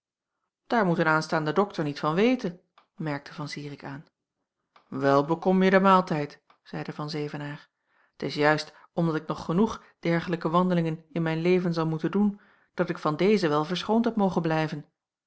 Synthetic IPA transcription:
d̥aːɹmutənaːnstaːndədɔktʰəɹnitfɑnʋejtə | mɛɹk̚tʰəvɑnsiːʁɪkaːn | ʋɛlˠbəkɔmjədəmaːlˠtɛjt | z̥ɛjdəvɑnzejvənaːɹ | ətɪsjœɥst | ɔmdɑtɪk̚nɔχːənuχ | d̥ɛɹχələkəʋɑndəlɪŋənɪnmɛjnlejvənzɑlˠmutəndun | d̥ɑtɪkfɑndejzəʋɛlˠvəɹsχowntɦɛpmowχəblɛjvən

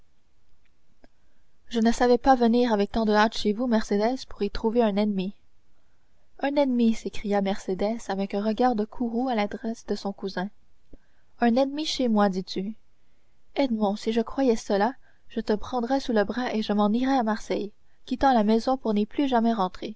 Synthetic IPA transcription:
ʒənəsavɛpavəniːʁavɛk̚t̪ɑ̃d̪əat̪ʃevumɛʁsed̪ɛz̥puʁit̪χuveɛ̃nɛnmi | ɛ̃nɛnmisekχijamɛʁsed̪ɛsavɛkɛ̃ʁəɡaːʁd̪əkʰuʁualad̪ʁɛsd̪əsɔ̃kuzɛ̃ | œ̃nɛnmiʃemwad̪it̪y | ɛd̪mɔ̃siʒəkχwajɛsəla | ʒ̥ət̪əpχɑ̃d̪ʁɛsuləbʁaʔeʒəmɑ̃niʁɛamaʁsɛj | kʲit̪ɑ̃lamɛzɔ̃puʁniplyʒamɛʁɑ̃t̪χe

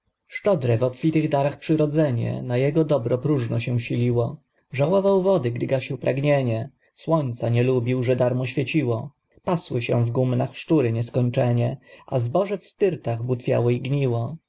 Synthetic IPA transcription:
ʂt͡ʂɔd̪ɾɛvɔpfʲit̪ɘɣd̪aɾaxpʂɘɾɔd̪zɛɲɛ̰najɛɡɔd̪ɔbɾɔpɾuʐnɔɕɛ̃ɕilʲiwɔ | ʐawɔvawvɔd̪ɘɡd̪ɘɡaɕiwpɾʔaɡɲeɲɛ | swɔɲt̪saɲɛlubʲiwʐɛd̪aɾmɔɕfʲjet͡ɕiwɔ | paswɘɕɛ̃vɡumnaxʂt͡ʂuɾɘɲɛskɔɲt͡ʂɛɲɛa̰zbɔʐɛfst̪ɘɾt̪aɣbut̪fʲja̰wɔiɡɲiwɔ

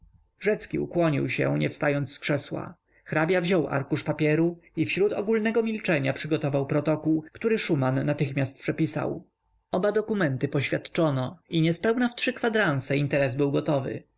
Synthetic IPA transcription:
ʐɛt̪skʲḭṵkwɔɲḭwɕɛ̰ɲɛ̰fst̪ajɔnd̪sskʂɛswa̰ | xɾabʲjavʑɔwʔa̰ɾkuʂpapʲjɛɾuifɕɾut̪ɔ̰ɡulnɛɡɔmʲilt͡ʂɛɲapʂɘɡɔt̪ɔvawpɾɔt̪ɔkuwkt̪uɾɘʂumanːat̪ɘxmʲjast̪̚pʂɛpʲisa̰w | ɔbad̪ɔkumɛnt̪ɘpɔɕfʲjat̪t͡ʂɔnɔiɲɛspɛwnaftʂɘkfad̪ɾant̪sɛint̪ɛɾɛzbɘwɡɔt̪ɔvɘ̰

